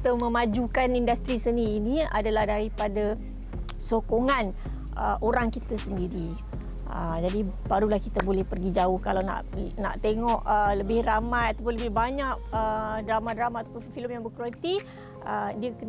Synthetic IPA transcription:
t̪əmə̃mãd͡ʒukanindast̪ɾisəniːnĩa̰dalahdaɾipada | sokoŋãn | ə̰ʔoɾaŋkit̪asəndiɾi | ə̰d͡ʒadibaɾulahkit̪abolɛhpərɡid͡ʒaʊhkalawna̰ʔna̰ʔt̪eŋɔʔələbɪhramajat̪ap̬ʊnləbɪhbaɲaʔ̚ədɾamadɾamaat̪apʊnfiləmjaŋbəkɾuat̪i | ədiəkən

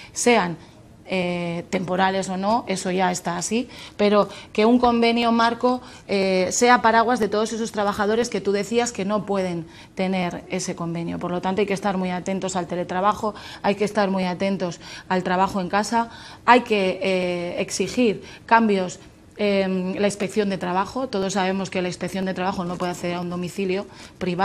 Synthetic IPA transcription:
se̞an | et̪e̞mpo̞ɾale̞so̞no̞e̞so̞ʝae̞st̪aːsipe̞ɾo̞ke̞uŋko̞mbe̞njomaɾko̞ | ese̞apaɾaɣ̞wazðe̞t̪o̞ð̞o̞se̞so̞st̪ɾaβ̞axaðo̞ɾe̞ske̞t̪uðe̞θiaske̞no̞pwe̞ð̞e̞n | t̪e̞ne̞ɾe̞se̞ko̞mbe̞njopo̞ɾlo̞t̪ant̪oajkest̪aɾmiat̪e̞nt̪o̞salt̪e̞le̞t̪ɾaβaxo̞ajke̞st̪aɾmijat̪e̞nt̪o̞salt̪ɾaβaχo̞e̞ŋkasaajke̞ː | ksixiɾkambjo̞s | emlainspe̞kθjo̞nd̪e̞t̪ɾaβaxo̞t̪o̞ð̞o̞sːaβe̞mo̞ske̞lainspe̞kθjo̞nd̪e̞t̪ɾaβaxo̞nopwe̞ðakθe̞ðeɾaund̪o̞miθiljo̞pɾiβa

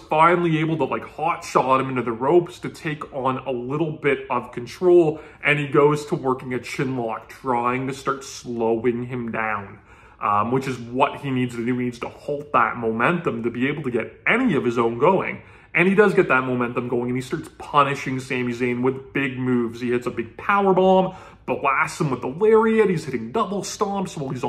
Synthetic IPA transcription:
fãɪ̃nl̩ˠieɪbl̩ˠtəlʔaɪkhɑtʃɑɾɨ̃mɪ̃ntʉðɨɹoʊpstʰɨtʰeɪkn̩əlɪɾl̩ˠbɪɾʌv̥kʰn̩tʰɹ̥oʊlˠʔɨ̃niɡoʊz̥tʰəwɜ˞kɪ̃ŋɨt̚t͡ʃʰɪ̃nlɑk̚tʰɹ̥aɪɪ̃ŋtɨstɑɹtsloʊɪ̃ŋɨ̃mdãʊ̃n | ʔwɨt͡ʃɨzwʌt̚hinidz̥tɨdʉinidz̥tʰəhɔlˠt̪̚ðə̰t̚mõʊ̃mɛ̃ntɨ̃mtɨbieɪbl̩ˠtɨɡɛɾɛñiʌv̥ɨzõʊ̃nɡoʊɪ̰̃ŋ | ʔɨ̃nidʌzɡɛt̪̚ðɨt̚mõʊmɛ̃ntɨ̃mɡoʊɪ̃ŋɨ̃nistɑɹtspʰʌnɨʃɪ̃ŋsæ̃mjʉzĩɪ̃nwɪðbɪɡ̚mʉvz̥ihɪtsəbɪɡ̚pʰaʊə˞bɑ̃m | b̥læstsə̃mwəðəlɛɹiɨɾ̚hiz̥hɪɾɪ̃ŋdʌbl̩ˠstɑ̃mpsoʊwəlˠiz

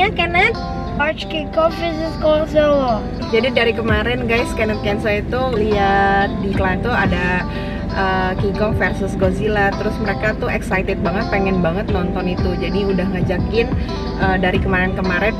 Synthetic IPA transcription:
akɛnat̪̚ | at͡ʃkikɔfɾisɪskɔŋsɔ | d͡ʒadidaɾikəmaɾɛnɡajskɛnət̪̚kɛnsait̪uliat̪̚diklant̪uada | ʔəːkiɡɔŋfɛrsəsɡozilat̪əɾʊsməɾekat̪ʊɛksajt̪ɪt̪̚baŋət̪̚peŋɛnbaŋət̪̚nɔnt̪ɔnit̪ud͡ʒadiudahŋad͡ʒakɪn | ʔəːdaɾikəmaɾɛnkəmaɾɛn

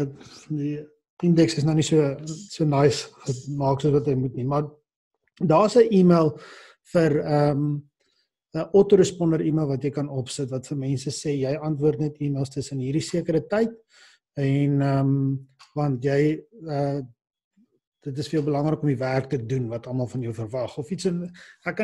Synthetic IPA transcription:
di | əndɛksəs̬nɐnisuəsuənɐjsχəmɑːksuəsvɐtəjmutnimɐr | dɑːəsəʔiːmiəlˠ | fərəm | əʔɔtoɾəspɔndəɾiːmiəlˠvɐtjɛjkɐnɔpsətvɐtfərmɛnsəseːjɛjɐntvuərtnɛtiːmiəlˠstəsənɦiːrdisiəkəɾətɛjt̚ | ɛnəmvɐntjɛjə | d̥ətəsfiəlˠbəlɐŋrəkɔmiværk̚tədunvɐtɐmɐlˠfɐnjəwfərvɐχɔfitsənækː

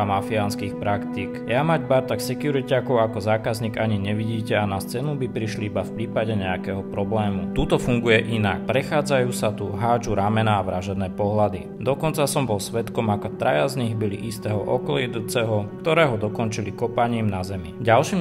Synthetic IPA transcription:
amafianskiːxpɾakt̪iːkjamaɟbaɾt̪aksɛkjuɾicakɔʊakɔzaːkazɲiːɡaɲiɲɛʋiɟiːcɛanast͡sɛːnubipɾiʃliibafpɾiːpaɟɛɲɛakɛːɦɔpɾɔblɛːmut̪ut̪ɔfuŋɡujɛʔinak̚pɾɛxaːd͡zajuːsat̪uɦaːd͡ʒuɾamɛnaːʋɾaʒɛd̪nɛːpɔɦlad̪i | d̪ɔkɔnt͡sasɔmbɔlsʋɛt̪kɔmakɔt̪ɾajazɲiɣbilḭʔist̪ɛːɦɔʔɔ̰kɔlɛd̪ut͡sɛɦɔkt̪ɔɾɛːɦɔd̪ɔkɔnt͡ʃilikɔpaɲiːmnazɛmiɟalʃiːm

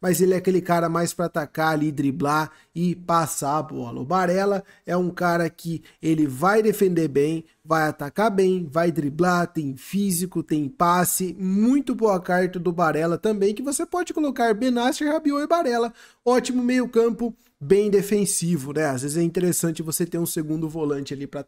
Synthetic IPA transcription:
mɐzelɪɛakelɪkaɾɐmajspɾɐat̪akaalid̪ɾibla | ɪpasaːbɔ̰lɐ̰ʊbaɾɛlɐ | ɛũkaɾɐkɪ | elɪvajd̪efẽnd̪eɾbẽj̃ | vajat̪akabẽj̃vajd̪ɾiblaɾt̪ẽj̃fizikʊt̪ẽj̃pasɪmũj̃t̪ʊbowɐkaɾt̪ɐd̪ʊbaɾɛlɐt̪ɐ̃mbẽj̃kɪvosepɔd͡ʒɪkolokaɾbenasɪhabioɪbaɾɛlɐ | ɔt͡ʃimʊmejʊkɐ̃mpʊ | bẽj̃d̪efẽsivʊnɛazvezɪzɛĩnt̪eɾesɐ̃nt͡ʃɪvoset̪ẽũseɡũnd̪ʊvolɐ̃nt͡ʃɪalipɾɐ

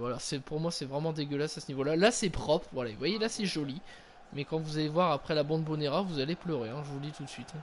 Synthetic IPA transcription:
vwalasɛpuʁmwasɛvʁɛmɑ̃d̪eɡʲəlasasənivolalasɛpχɔpχvwalavwajelasɛʒɔli | mɛkɑ̃vuzalevwaʁapχɛlabɑ̃d̪boneʁavuzaleplœʁeɛ̃ʒəvud̪it̪ut̪sɥit̪

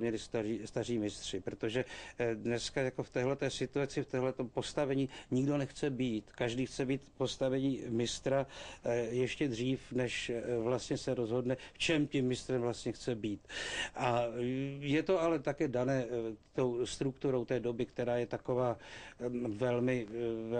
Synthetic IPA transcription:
mɲɛlɪst̪aiːst̪ar̝iːmɪst̪r̝̥ɪpɾot̪oʒɛdnɛskajako̞ft̪ɛːɦlɛt̪ɛːsɪt̪uat͡sɪft̪ɛːɦlɛt̪ompo̞st̪avɛɲiːɲɪɡdo̞nɛxt͡sɛbiːt̪kaʒdiːxt͡sɛbiːt̪po̞st̪avɛɲiːmɪst̪ɾa | jɛʃcɛd̪r̝iːfnɛʃvlast̪ɲɛsɛɾozɦo̞dnɛft͡ʃɛmcɛmːɪst̪ɾɛmvlast̪ɲɛxt͡sɛbiːt̪ʔa | jɛt̪o̞alɛt̪akɛːdanɛːt̪owst̪ɾukt̪uɾo̞wt̪ɛːdo̞bɪkt̪ɛɾaːjɛt̪ako̞vaː | vɛlmɪ

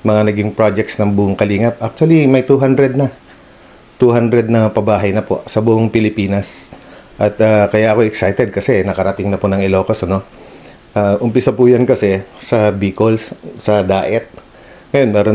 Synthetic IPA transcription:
mɐŋanɐɡɪŋpɹad͡ʒɛk̚t̪snɐŋbuʔʊŋkɐliːŋɐp̚ʔak̚t͡ʃ̪ʊɐlimɐjt̪uɦand̪ɾɛd̪̚nɐ | t̪uɦand̪ɾɛd̪̚nɐpɐbaːɦɐjnɐpo̰sɐbʊʔoŋpɪlɪpiːnɐs | ʔɐt̪aːkɐjaʔɐkoʔɛksajt̪ɛd̪̚kɐsɛnɐkɐɾɐt̪ɪŋnɐpʊnɐŋɪloːkɐsɐno̞ | ʔaːʔʊmpɪsapʊjankɐsɛsɐbiːkolssɐd̪aːʔɛt̪̚ | ŋɐjonmɛːɾo

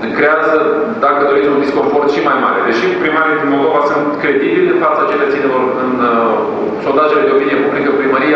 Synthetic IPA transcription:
kɾeazə | d̪akəd̪o̞ɾisʲunisko̞mfo̞rt̪ʃimajmaɾed̪e̞ʃipɾimaɾijed̪inmold̪o̞vasɨnt̪kɾe̞d̪ibild̪ɨnfat̪səat͡ʃeleat̪inelo̞rɨn | so̞nd̪aʒeled̪eopinijepublikəpɾiməɾije

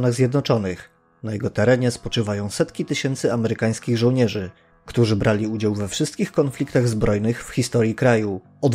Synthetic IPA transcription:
naɣzʲjɛd̪nɔt͡ʂɔnɘx | najɛɡɔt̪ɛɾɛɲɛspɔt͡ʂɘvajɔ̃w̃sɛt̪kʲit̪ɘɕɛnt̪sɘamɛɾɘkaj̃skʲiɣʐɔ̃wɲɛʐɘ | kt̪uʐɘbɾʔalʲiud͡ʑawvɛfʂɘst̪̚kʲixkɔnflʲikt̪aɣzbɾɔjnɘxfxʲist̪ɔɾjikɾaju | ɔd̪

